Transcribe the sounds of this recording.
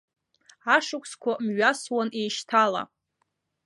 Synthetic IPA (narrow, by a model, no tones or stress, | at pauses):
aʂʊkʷʰskʷʰamɥaswane̞jʃtʰala̰